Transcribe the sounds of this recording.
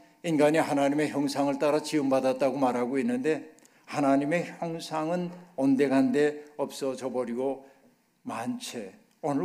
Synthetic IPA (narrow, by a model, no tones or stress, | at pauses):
inɡaɲihanaɲime̞çjʌŋsʰaŋɯɭt͈aɾat͡ɕʰiɯmbadat̚t͈aɡomaɾaɡoinːɯnde̞ | hanaɲime̞çjʌŋsʰaŋɯnʌnde̞ɡande̞ʌp̚s͈ʌt͡ɕʌbʌɾiɡo | mant͡ɕʰe | ʌn